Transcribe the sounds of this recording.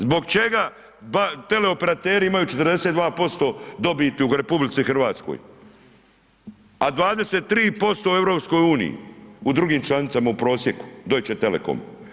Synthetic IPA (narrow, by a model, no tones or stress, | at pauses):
zbo̞ɡt͡ʃe̞ɡa | bat̪e̞le̞ope̞ɾat̪e̞ːɾiimajut͡ʃe̞t̪ɾd̪e̞set̪d̪ʋaːpo̞st̪o̞d̪o̞bit̪iuɾe̞publit̪sixr̩ʋaːt̪sko̰j | ad̪ʋaːd̪e̞set̪ːɾiːpo̞st̪o̞ue̞vɾo̞ːpsko̞juːnḭjḭud̪ɾuɡiːmt͡ʃlˠanit̪samaupɾo̞ːsje̞ku̥d̪o̞jet͡ɕe̞t̪e̞lḛko̰m